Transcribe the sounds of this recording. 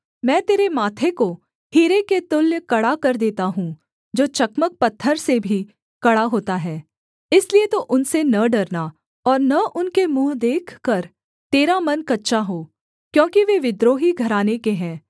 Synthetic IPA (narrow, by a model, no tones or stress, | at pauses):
mɛ̃ːt̪eːɾemaːt̪ʰeko | hiːɾeket̪ʊljəkɐɽakɐɾd̪eːt̪aɦũ | d͡ʒoːt͡ʃɐkmək̚pɐt̪ʰːəɾsebʱi | kɐɽaɦoːt̪aɦɛː | ɪsliet̪oʔʊnsenɐɖɐɾna | ɔːɾnɐʔʊnkemuːɦd̪eːkʰkɐɾ | t̪eːɾamɐnkɐtːʃaɦoː | kjõːkiʋeʋɪd̪ɾoːɦiɡʱɐɾaːnekeɦɛ̃ː